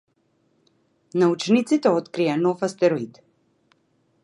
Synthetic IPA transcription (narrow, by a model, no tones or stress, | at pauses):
naut͡ʃnit̪sit̪ɛɔt̪kɾijanɔfast̪ɛɾɔit̪